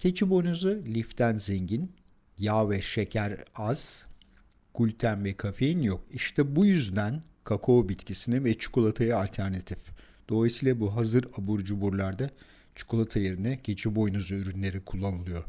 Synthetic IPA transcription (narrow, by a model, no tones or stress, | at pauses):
cʰe̞t͡ʃʰibo̞jnuzulʲift̪ʰænzeɲɟin | jaːvɛʃe̞cʰæɾaz̥ | ɡ̥ulʲt̪ʰænvɛkʰafejinjokiʃt̪ʰɛbujyzd̪æn | kʰakʰo̞ːbit̪cʰisinɛvɛt͡ʃʰu̥kʰolˠat̪ʰajaalʲt̪ʰæɾnat̪ʰif | d̪̥o̞lˠajisiːlʲˠabuɦazɯɾabuɾd͡ʒubuɾlˠaɾd̪a | t͡ʃʰu̥kʰolˠat̪ʰajeɾinɛcʰe̞t͡ʃʰibo̞jnuzuyɾynlʲe̞ɾikʰulˠːanɯlˠɯjo̞